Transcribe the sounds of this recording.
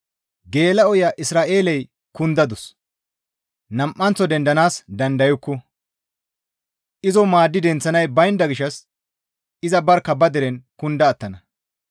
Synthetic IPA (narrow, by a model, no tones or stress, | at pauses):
ɡe̞ːlɐɔjɐʔɪsɾaːʔe̞ːlɛj | kʊnd̪ɐd̪ʊs | nɐmʔːɐnt͡sːɔd̪ɛnd̪ɐnaːsd̪ɐnd̪ɐjʊkːɔ | ʔɪzɔmaːd̪ːɪd̪ɛnt͡sːɐnɐjbɐjnd̪ɐɡɪʃːɐs | ɪzɐbɐɾkːɐbɐd̪ɛɾɛnkʊnd̪ɐːt̪ːɐnɐ